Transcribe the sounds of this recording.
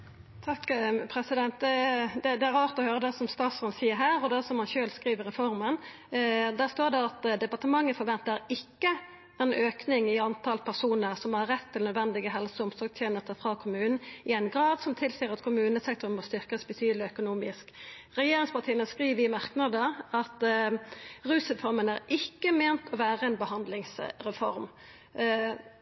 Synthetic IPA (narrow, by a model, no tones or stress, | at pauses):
t̪ʰɑkːpʰɾɛsɪd̪ɛnt̪̚d̪ɛd̪ɛd̪ɛæɾɑːʁt̪ɔhøːɾəd̪ɛsɔmst̪ɑːt̪smɑnsiːəɾɦæːʁɔd̪ɛsɔmhɑnçøːlskʁiːʋəɾɛfɔʁmən | d̪æst̪oːd̪ɛɑt̪d̪ɛpɑʁt̪əmɑŋːəfɔɾʋɛnt̪əɾɪkːə | ɛnʔøːknɪŋɪɑnt̪ʰɑlpʰæʁsuːnəɾsɔmhɑɾːɛt̪ʰːɪlnœd̪ʋɛnd̪ɪɡəɦɛlsəʊmsɔːɡt̪ʰjeːnəst̪əfʁɑkʰʊmʉːnn̩ɪɛɪnɡɾɑːd̪sɔmt̪ʰɪlsiːɾɑt̪kʰʊmʉːnəsɛk̚t̪ɔɾnmɔst̪ʏʁkɑsbət̪ʰyːd̪lɪœkʊnuːmɪ̰sk | ʁɛjeːɾɪŋspɑt̪ʰiːənəskʁiːʋəɪmɑʁknɑd̪əʁɑt̪ | ʁʉːsɛfɔɾmənæɾɪkːəmeːnt̪ʰɔʋæːʁəɛnbəhɑnd̪lɪŋsʁɛfɔ̰ɾm